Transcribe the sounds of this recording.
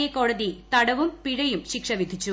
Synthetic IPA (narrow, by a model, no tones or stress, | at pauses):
ɐkːoːɻɐðit̪ɐɽɐʋɯmpɪɻɐjɯmʃɪkʂɐʋɪd̪ʱɪt͡ʃːu